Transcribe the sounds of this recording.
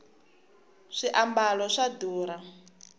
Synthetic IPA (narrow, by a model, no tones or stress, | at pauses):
ʂiʔambalɔʂaduːɾa